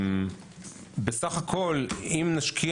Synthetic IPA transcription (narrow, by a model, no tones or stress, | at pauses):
besaχakʰo̞limnaʃkʰi